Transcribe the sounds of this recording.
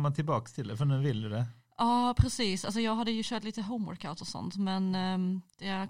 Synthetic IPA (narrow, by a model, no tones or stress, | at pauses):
mant̪ʰɪlbɑːkst̪ʰɪld̪ɛfəɳʉːvɪld̪ɵd̪ɛ | ʔɑːpʰɾɛsiːsals̬ɔjɑːɡɦad̪ːəjɵɕœːʈliːt̪əɦɔʊmwɔ̰ɾkaʊt̪ɔsɔ̰nt̪mɛnd̪̥ɛæ